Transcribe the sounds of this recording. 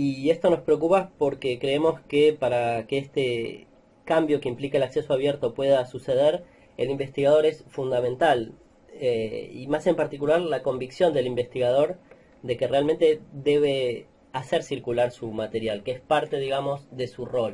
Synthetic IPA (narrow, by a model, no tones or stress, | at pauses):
ie̞st̪o̞no̞spɾeok̬upapo̞ɾke̞kɾe̞emo̞skepaɾakeest̪e | kambjo̞keimplikelakse̞so̞aβjeɾt̪o̞pwe̞ðasuse̞ð̞eɾ | ḛlimbe̞st̪iɣað̞o̞ɾe̞sfund̪amẽ̞nt̪al | eḭmase̞mpaɾt̪ikulaɾlako̞mbiksjo̞nd̪e̞limbe̞st̪iɣað̞o̞ɾ | d̪e̞kerealment̪eðe̞β̞e̞ | aseɾsiɾkulaɾsumat̪e̞ɾjalkeespaɾt̪eðiɣamo̞zðe̞suro̞l